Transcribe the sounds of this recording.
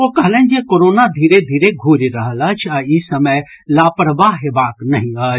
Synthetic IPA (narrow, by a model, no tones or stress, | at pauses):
okəɦlənd͡ʒekoɾoːnad̪ʱiːɾed̪ʱiːɾeɡʱuːɾiɾəɦələt͡ʃʰaisəməj | laːpəɾəbaɦɦeːbaːknəɦĩə